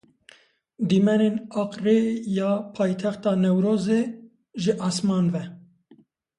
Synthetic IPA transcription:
d̪imɛnenɑːqrejɑːpʰɑːjt̪ʰɛxt̪ɑːnɛwɾoːzeː | ʒɨʔɑːsmɑːnvɛ

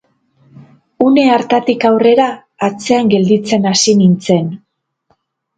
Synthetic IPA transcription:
une̞aɾt̪at̪ikawre̞ɾaː | t͡se̞aŋɡe̞ld̪it͡se̞nasinint͡se̞n

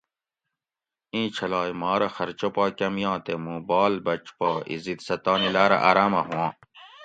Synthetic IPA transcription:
ĩːt͡ɕʰɐlaːjmaːɾɐxɐɾt͡ɕopaːkɐmjãːt̪emũbaːlbɐt͡ʃpaːḭzit̪sɐt̪aːnilaːɾɐ̰ʔaːɾaːmɐɦũwãː

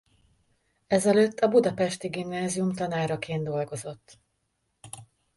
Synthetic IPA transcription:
ɛzɛløːt̪ːɒbud̪ɒpɛʃt̪iɡimnaːzijumt̪ɒnaːrɒkeːnd̪o̞lɡo̞zo̞t̪ː

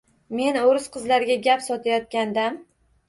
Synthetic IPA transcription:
me̞noɾɪsqʰɨzlaɾɡʲaɡʲapsɒt̪ʰajɒt̪̚kʲand̪am

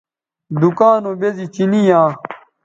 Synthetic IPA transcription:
d̪ukaːnobezit͡ɕinijãː

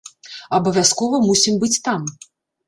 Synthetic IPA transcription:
ɐbɐvʲaskɔvɐmusʲimbɨt͡sʲt̪am

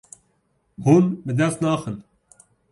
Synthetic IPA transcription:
hunbɨd̪ɛst̪nɑːxɨn

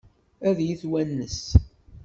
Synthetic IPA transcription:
æðjiθwænːəs

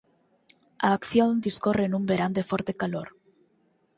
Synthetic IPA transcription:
aːkθjõnd̪iskorenũmbeɾand̪efɔɾt̪ekaloɾ

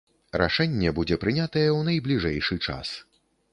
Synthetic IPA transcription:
ɾʔa̰ʂɛnʲːɛbud͡zʲɛpɾɨnʲat̪ɐjɛwnɐjblʲiʐɛjʂɨt͡ʂa̰s

